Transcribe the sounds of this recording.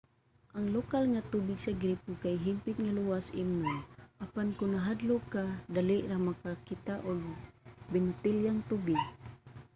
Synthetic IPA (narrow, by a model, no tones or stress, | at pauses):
ʔaŋlɔkalŋat̪ubiksaɡɾipukaiɦimpit̪̚ŋaluasḭmnunapankunaɦadlokadalɛʔɾahmakakit̪aʔɔlubɛnt̪iljaŋt̪ubik̚